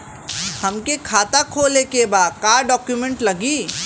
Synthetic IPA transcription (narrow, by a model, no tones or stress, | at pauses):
hɐmkekʰaːt̪akʰoːlekebaːd̪̚kaːɾɖɔːkjumẽɳʈlɐɡiː